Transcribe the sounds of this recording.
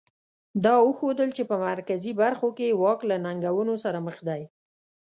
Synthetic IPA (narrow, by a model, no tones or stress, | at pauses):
d̪ɑəxod̪əlt͡ʃepəmaɾkazibaɾxokewɑklanaŋɡawənosaɾaməxd̪aj